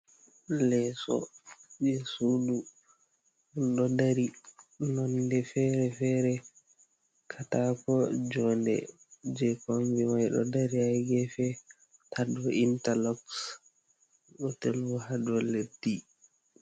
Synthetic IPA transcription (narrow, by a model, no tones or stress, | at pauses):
lɛsɔ̰d͡ʒɛsudu | ɗɔdaɾinɔndɛfɛːɾɛfɛːɾɛ | kʰatakɔd͡ʒɔndɛ̰ | d͡ʒɛkomviwajɗɔ̰daɾiajɡɛfɛ | tʰadɔʔintalɔks | ɗɔtelwɔhadɔledi